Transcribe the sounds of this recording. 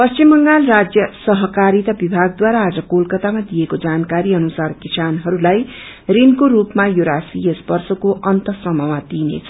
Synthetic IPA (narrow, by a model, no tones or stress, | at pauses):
pʌst͡ʃimbʌŋɡalrad͡zjʌsʌɦʌkaɾit̪ʌbibʱaɡ̚d̪waɾaːd͡zʌkolkʌt̪amad̪ijekod͡zankaɾiʌnusarkisanɦʌɾulaj | rinkoɾupmajoɾasiʌsbʌrsʌkoʔʌnt̪ʌsʌmʌmad̪inḛt͡sʰʌ